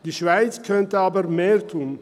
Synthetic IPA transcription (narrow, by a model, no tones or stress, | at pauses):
d̥iːʃv̥aɪt͡skʰœntəaːbəʁmeːʁtʰuːn